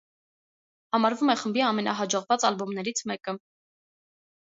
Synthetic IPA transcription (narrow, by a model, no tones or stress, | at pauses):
hɑmɑɾvumɛχəmbiɑmɛnɑɦɑd͡ʒɔʁvɑt͡sɑlbɔmnɛɾit͡sʰmɛkə